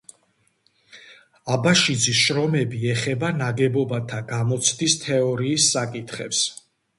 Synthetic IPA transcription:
abaʃid̪zisʃɾɔmɛbiɛχɛbanaɡɛbɔbat̪ʰaɡamɔt̪sʰd̪ist̪ʰɛɔɾiːsːakʼit̪ʰχɛps

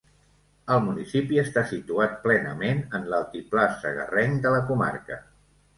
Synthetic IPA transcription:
əlˠmunisipiəst̪asit̪uat̪̚plɛnə̰menənlalˠt̪iplasə̰ɣə̰rɛŋd̪ələkuma̰rkə

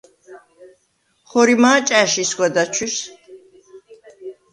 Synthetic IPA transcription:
χɔɾimaːt͡ʃʼɛʃiskʷʼwɛd̪at͡ʃʰis

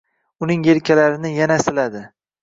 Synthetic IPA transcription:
ʊnɪŋjeɾkʲʰalaɾɪnɪjanasɪlad̪ɪ

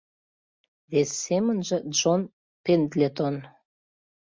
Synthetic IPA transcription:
βesːemənʒĕʒon | pend̪lʲet̪on

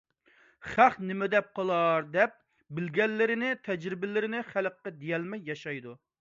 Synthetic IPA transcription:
χæχnɪmɪd̪ɛp̚qʰəlˠɑɾd̪ɛp̚ | bɪlɡʲɛlːɪɾɪnɪt̪ʰɛd͡ʒɾɪbɪlɪɾɪnɪχæləqːɛd̪ejɛlmɛjːɑʃɑjd̪u

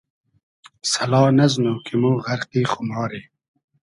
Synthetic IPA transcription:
sɐlɑːnɐznokimuːɣɐɾqiːχʊmɑːɾiː

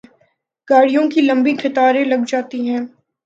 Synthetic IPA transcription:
ɡ̥aːɽijõkilɐ̃mbiɡʰʱɪt̪aːɾẽlɐɡd͡ʒaːt̪iɦɛ̃ː

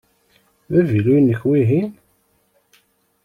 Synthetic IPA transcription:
mævilunːəçwiɦim

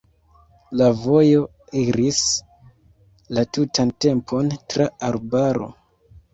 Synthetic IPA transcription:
lavo̞jo̞ | iɾis | latutante̞mpʰo̞ntɾaaɾbaɾo̞̰

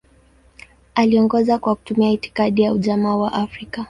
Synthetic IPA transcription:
aliɔŋɡɔzakwaku̥tumiaiti̥kaɗijauʄamawaʔafɾika

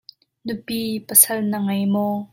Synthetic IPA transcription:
nʊpiːpəsɐlnɐŋɐjmɔː

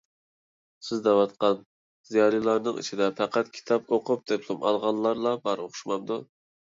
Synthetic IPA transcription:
sɪzd̪ɛwɑt̪qɑn | z̥ijɑɾilˠɑɾnɨŋḭt͡ʃʰid̪ɛpʰæqʰæt̪kʲʰi̥t̪ʰɑpoqʊp̚d̪̥eplˠumɑ̰lˠʁɑlːˠɑɾlˠɑbɑɾoχʰʊ̥ʃmɑmd̪u

